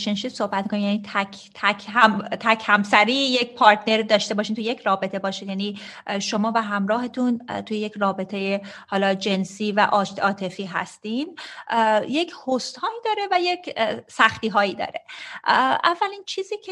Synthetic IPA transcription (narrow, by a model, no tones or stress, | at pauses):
ʃenʃiːd̪so̞hbæt̪̚mikʰonijæniːt̪ʰæk | t̪ʰækhæmt̪ʰæcʰhæmsæɾiːjecpʰɒːɾt̪ne̞ɾd̪ɒːʃt̪e̞bɒːʃint̪ʰujecʰrɒːbe̞t̪ʰe̞bɒːʃid̪jæniːʃo̞mɒːvæɦæmɾɒːɦe̞t̪ʰunt̪ʰujeje̞cʰrɒːbe̞t̪ʰe̞jehɒːlɒːd͡ʒe̞nsiːvæʔɒɒːt̪ʰe̞fiːɦæ̰st̪iːn | je̞cʰhost̪hɒːiːd̪ɒːɾe̞væje̞cʰsæxt̪iːɦɒːiːd̪ɒ̰ːɾe̞ | ævːælint͡ʃʰiːziːkʰe